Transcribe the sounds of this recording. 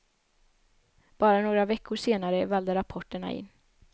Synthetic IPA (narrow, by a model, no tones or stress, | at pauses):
b̥ɑːɾanoːɡɾavɛkʰːʊʂeːnaɾəvɛld̪əɾapʰɔʈːəɳa̰ʔɪ̰nː